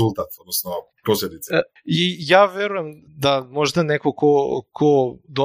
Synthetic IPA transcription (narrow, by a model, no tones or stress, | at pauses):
ulˠt̪at̪od̪nɔsnɔpɾoslɛd̪it̪s | ijavɛɾujɛm | d̪amoʒd̪anɛkokokʰod̪o